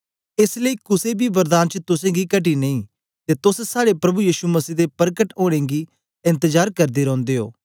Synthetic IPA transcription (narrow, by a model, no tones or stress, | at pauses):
eːsləiːkʊsebʱiʋɐɾd̪aːnt͡ʃət̪ʊsẽɡikɐʈ̬inɐĩ | t̪et̪ʊssaːɽepɾɐbujiːʃumɐsiːd̪epɐɾkəʈoːɽ̃ẽɡi | ɪ̃nt̪əd͡ʒaːɾkɐɾd̪iɾɔ̃ːnd̪eɦo̰ː